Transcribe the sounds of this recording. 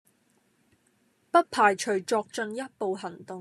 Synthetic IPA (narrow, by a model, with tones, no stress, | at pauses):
pɐ˥t̚pʰaː˨˩jt͡ʃʰɵ˨˩ɥt͡ʃɔː˧k̚t͡ʃɵ˧njɐ˥t̚po˨wɦɐ˨˩nt̪ʊ˨